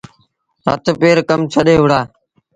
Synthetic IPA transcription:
ɾə̰t̪peːɾkəmt͡ʃʰəɗeːɦʊɽaː

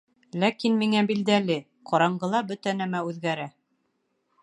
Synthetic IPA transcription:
lækinmiŋæbild̪ælɘ | qʰɑɾɑɴɢɤ̆lˠɑbɵt̪ænæmæʉðɡæɾæ

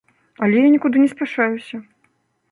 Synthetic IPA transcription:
ɐlʲɛjanʲɛkud̪ɨnʲɛsʲpʲɛʂajusʲɐ

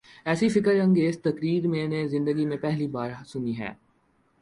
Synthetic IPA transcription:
ɛːsifɪkəɾɐ̃ŋɡeːzt̪ɐkɾiːɾmẽnezɪ̃nd̪əɡimẽpɛɦlibaːɾsʊniɦɛ̰ː

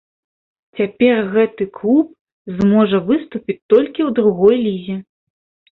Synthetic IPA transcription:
t͡sʲapʲɛrɣɛt̪ɨklˠup | zmɔʐɐvɨst̪upʲit͡sʲt̪ɔlʲkʲiwd̪ɾuɣɔjlʲizʲi

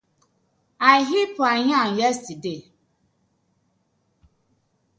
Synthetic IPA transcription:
aɦipʰaɲãnjɛstide

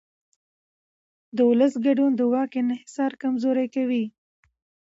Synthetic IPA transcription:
d̪əʊləsɡaɖund̪əwɑkɪnɪhɪsɑɾkamzoɾajkawi

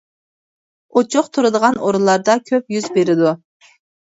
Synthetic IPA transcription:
ot͡ʃʰʊqt̪ʰuɾɨd̪əʁɑnʔoɾulˠɑɾd̪ɑkʲʰøpjyzbeɾɪd̪u

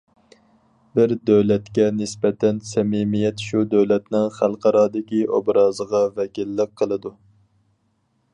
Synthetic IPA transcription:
bɪɾd̪øwlɛt̪kʲɛnɪspɛt̪ʰɛnsɛmimijɛt̪ʃud̪øwlɛt̪nɪŋχælˠqʰɑɾɑːd̪ɪkʲiʔo̰bɾɑːzəʁɑvɛkʲilːəq̚qʰːəlˠɨd̪u

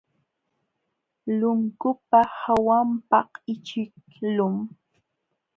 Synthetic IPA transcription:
lʊŋkʊpahawampɑhɪt͡ʃɪk̚ | lʊm

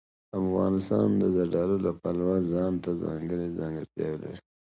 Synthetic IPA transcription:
afɣɑ̰nɪst̪ɑ̰nd̪əzaɖɑlolapalwazɑnt̪azɑ̰ŋɡəɽizaŋɡəɾt̪jɑ̰wela̰ɾi

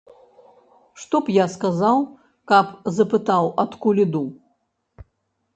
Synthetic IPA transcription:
ʂt̪ɔpjaskazaw | kapzɐpɨt̪awɐt̪kulʲid̪u

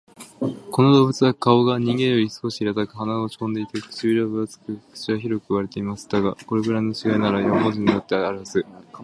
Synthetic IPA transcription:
ko̞nod̪o̞ːbɯt͡sɨβakao̞ɡaɲ̟ĩŋɡẽjo̞ɾʲisɨ̥ko̞ɕiːɾat̪akɯ̟ɦanaot͡ɕkõ̞nd̪e̞it̪ekɯ̥t͡ɕiiɾabɯat͡sɨ̥kɯ̟kɯ̥t͡ɕiβaçiɾo̞kɯ̟ɯβaɾe̞t̪e̞imasɨ̥d̪aɡako̞ɾe̞kɯ̟ɾaino̞t͡ɕiɡainaɾajommoziɲ̟io̞t̪ːe̞aɾasɨ

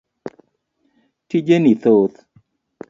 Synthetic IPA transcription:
tid͡ʒenit̪ot̪

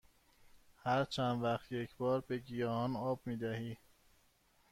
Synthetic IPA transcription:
hæɾt͡ʃʰænd̪væχt̪ʰjecʰbɒːɾbe̞ɟijɒːɒnɒːbmiːd̪æhiː

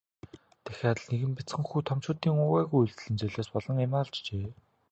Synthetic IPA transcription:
t̪æxʲaːtɮneɣɘ̆mpit͡sχɘ̆ŋxuːt̪ʰɔmt͡ɕʊːt̪iːŋʊɣæːɣujuɮt̪ɘ̆ɮɘ̆nt͡ɕœɮʲoːspɔɮɞ̆ŋemaːɮt͡ɕt͡ɕeː

